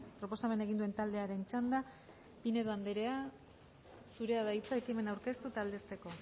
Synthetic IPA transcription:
pɾo̞po̞same̞ne̞ɣind̪ue̞nt̪ald̪e̞aɾe̞nt͡ʃand̪a | pine̞ðoand̪eɾe̞a | suɾe̞aðajt͡saekime̞nawɾke̞st̪ut̪ald̪e̞st̪e̞ko̞

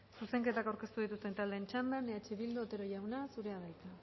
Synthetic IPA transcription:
suse̞ŋke̞t̪akawɾke̞st̪uðit̪ust̪e̞nt̪ald̪eːnt͡ʃand̪aneat͡ʃeβild̪ot̪e̞ɾoʝawnasuɾe̞aðajka

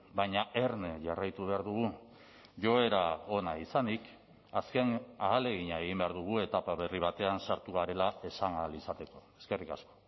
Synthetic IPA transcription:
baɲaʔe̞ɾneʝarajt̪uβe̞aɾðuɣu | ʝo̞e̞ɾao̞naisanik | aske̞naːle̞ɣ̞iɲaeɣ̞imbe̞aɾðuɣ̞ue̞t̪apaβe̞riβ̞at̪e̞ansaɾt̪uɣaɾe̞lae̞saŋalisat̪e̞ko̞e̞ske̞rikasko̞

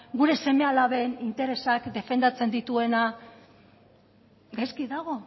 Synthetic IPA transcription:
ɡuɾe̞se̞me̞alaβe̞nint̪e̞ɾe̞sakd̪e̞fe̞nd̪at͡se̞nd̪it̪ue̞na | ɡajskiðaɣ̞o̞

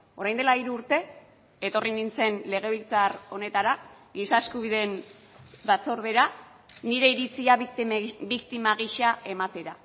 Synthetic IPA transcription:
o̞ɾajnd̪e̞laiɾuːɾt̪e̞ | et̪o̞rinint͡se̞nle̞ɣ̞e̞β̞ilt͡saro̞ne̞t̪aɾa | ɡisaeskuβiðe̞n | bat͡so̞ɾðe̞ɾa | niɾe̞iɾit͡sia | bikt̪imaɣ̞iʃaʔe̞mat̪e̞ɾa

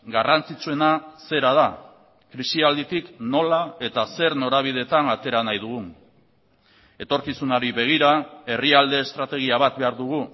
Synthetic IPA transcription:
ɡarant͡sit͡sue̞nase̞ɾað̞a | kɾisiald̪it̪ikno̞lae̞t̪ase̞ɾno̞ɾaβ̞ið̞e̞t̪anat̪e̞ɾanajðuɣ̞un | e̞t̪o̞ɾkisunaɾiβe̞ɣ̞iɾae̞riald̪e̞ːst̪ɾat̪e̞ɣ̞iaβ̞at̪̚be̞aɾðuɣ̞u

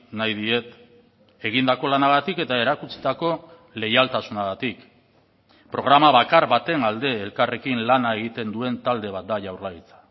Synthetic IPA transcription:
najðie̞t̪ | e̞ɣ̞ind̪ako̞lanaɣ̞at̪ike̞t̪ae̞ɾakut͡si̥t̪ako̞ | le̞jalt̪asunaɣat̪ik | pɾo̞ɣ̞ɾamaβakaɾβat̪e̞ŋald̪e̞ːlkare̞kinlanae̞ɣ̞it̪e̞nd̪ue̞nt̪ald̪e̞β̞at̪̚d̪aʝawrlait͡sḁ

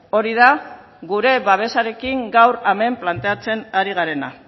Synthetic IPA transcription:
o̞ɾiða | ɡuɾe̞βaβ̞e̞saɾe̞kiŋɡawɾame̞mplant̪e̞at͡se̞naɾiɣ̞aɾe̞na̰

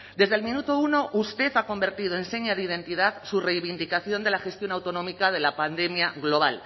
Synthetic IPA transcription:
dd̪e̞zð̞elmĩnut̪ouno̞ʔust̪e̞θako̞mbe̞ɾt̪ið̞o̞ense̞ɲaðið̞e̞nt̪iðaðsure̞jβind̪ikaθjo̞nd̪e̞laxe̞st̪jo̞nawt̪o̞nõ̞mikað̞e̞lapand̪e̞mjaɣlo̞β̞al

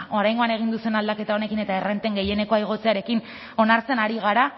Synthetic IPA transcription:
o̞ɾajŋɡo̞ane̞ɣ̞ind̪usenald̪ake̞t̪ao̞ne̞kine̞t̪aerent̪e̞ŋɡe̞je̞ne̞ko̞ajɣ̞ot͡se̞aɾe̞kin | o̞naɾt͡se̞naɾiɣ̞aɾa

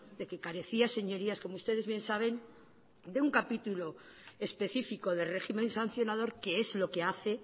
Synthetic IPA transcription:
d̪e̞ke̞kaɾe̞θiase̞ɲo̞ɾiasko̞moust̪e̞ð̞eβje̞nsaβ̞e̞n | d̪euŋkapit̪ulo̞ | espe̞θifiko̞ðe̞lre̞ximẽ̞nsan̟θjo̞naðo̞ɾke̞e̞zlo̞ke̞aθe̞

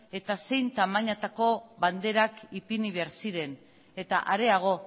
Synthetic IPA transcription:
e̞t̪ase̞jnt̪amaɲat̪ako̞βand̪e̞ɾakipiniβeaɾsiɾe̞n | e̞t̪a̰ʔaɾe̞aɣ̞o̞

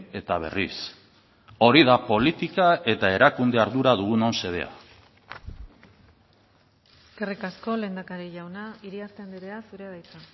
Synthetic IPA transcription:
e̞t̪aβ̞e̞̰ris | o̞ɾiðapo̞lit̪ikae̞t̪ae̞ɾakund̪e̞aɾðuɾað̞uɣuno̞nse̞ðe̞̰a̰ | skerikasko̞le̞ːnd̪akaɾiʝawnaiɾiast̪end̪iɾe̞asuɾe̞βajt͡s̪a

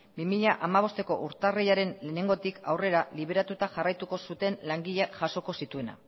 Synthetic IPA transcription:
bimiʎaʔamaβ̞o̞st̪e̞ko̞ʔuɾt̪arejaɾe̞nlene̞ŋɡo̞t̪ikawre̞ɾaliβe̞ɾat̪ut̪aʝarajt̪uko̞sut̪e̞nlaŋɡiʎeʝaso̞ko̞sit̪ue̞na̰

